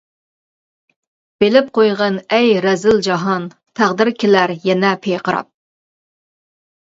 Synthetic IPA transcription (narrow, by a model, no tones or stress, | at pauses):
b̥elɪp̚qʰojʁɑnɛjɾɛzɪld͡ʒɑɦɑn | t̪ʰæʁd̪ɪɾkʲʰelæɾjɛnɛpʰejqʰəɾɑ̰p̚